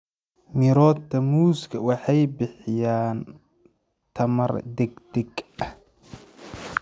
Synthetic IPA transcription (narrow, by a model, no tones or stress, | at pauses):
mɪɾɔːt̪t̪ʰɐmuːskʰɐwɑħɑjbɪħɪjaːn | t̪ʰɐmɐrd̪ɛɡd̪ɛɡɐh